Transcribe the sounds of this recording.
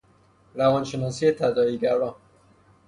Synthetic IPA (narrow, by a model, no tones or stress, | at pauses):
ɾavɒnʃenɒsiet̪ʰad̪ɒiɡaɾɒn